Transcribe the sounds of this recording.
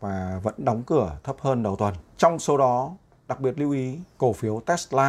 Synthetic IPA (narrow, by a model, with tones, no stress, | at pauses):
vaː˨˩və̰˧˥nɗɔ˨˦wŋ͡mkɨ˧˩ət̪ʰə˦˥p̚həː˧nɗə˨˩wt̪wə˨˩nt͡ɕɔ˧wŋ͡mso˨˦ɗɔ˨˦ | ɗa˨˩k̚ɓi˨˩ət̚li˧wʔi˨˦ko˧˩fi˨˦əwt̪ɛ˦˥st̚laː˧